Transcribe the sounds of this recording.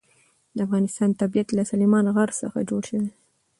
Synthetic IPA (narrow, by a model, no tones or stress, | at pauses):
d̪əafɣɑnɪst̪ɑnt̪abijat̪lasalimɑnɣaɾsə̰xa̰d͡ʒoɽʃəwe